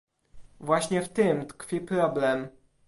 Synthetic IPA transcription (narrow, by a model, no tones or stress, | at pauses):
vwaɕɲɛft̪ɘmt̪kfʲipɾɔblɛm